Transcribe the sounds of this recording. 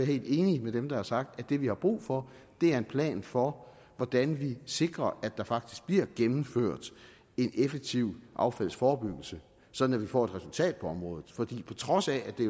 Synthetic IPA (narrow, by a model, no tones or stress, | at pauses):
ɐɦe̝̰ːlde̝ːnimed̥emd̥ɑæɐsɑ̈ɡ̥̚d̥æd̥e̝ʋihɑ̈b̥ʁṵːfɒ̽ | d̥e̝æɐe̝npʰlɛ̰ːnfɒ | ʋɒd̥ænʋise̝ɡ̥ʁɐʔædd̥ɑ̈fɑ̈ɡ̥d̥i̥sɡ̥̚b̥liɐ̰ɡ̥emm̩føɐ̰d̥ | e̝nefeɡ̥̚t͡sʰiʊ̰ʔɑ̈ʊfæl̰sfɒːb̥yɡ̥l̩sə | sɒ̽d̥n̩æʋifɒ̰ːe̝d̥ʁɛsult͡sʰɛ̰ːd̥̚pʰɒ̽ɒ̽mʁɔ̽ːðˠð̩ˠfɒ̽d̥ḭːpʰɒ̽t͡sʰʁɒ̽sææd̥e̝